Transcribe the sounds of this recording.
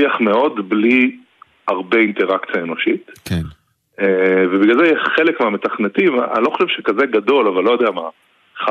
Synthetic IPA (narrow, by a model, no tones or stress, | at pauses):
iaχmeo̞dbli | aʁbe̞int̪e̞ʁakt͡sijaeno̞ʃit̪k | evebiɡalzejɛʃχe̞lekmeame̞t̪aχnet̪ima̰nilo̞xχo̞ʃevʃekaze̞ɡad̪o̞lavalːo̞jo̞d̪eama | χa